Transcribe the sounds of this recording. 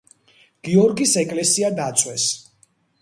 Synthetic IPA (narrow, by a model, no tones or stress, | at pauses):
ɡ̥iɔɾɡisɛkʼlɛsiad̪at̪sʼwɛs